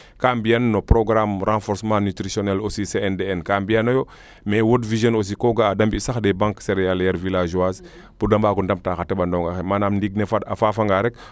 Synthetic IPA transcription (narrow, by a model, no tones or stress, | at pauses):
kambijannopɾoɡɾamrãnfɔɾsmãːnytɾisionɛlosiseɛndeɛnkambijanojo | mɛwotvizjonos̬ikoɡaːdambisaxdebãŋkseɾealjaɾvilaʒuas | budambaɡundɐm̚taxatebandɔŋɡaxemanamndiɡ̚nefaafafaŋɡaɾɛk̚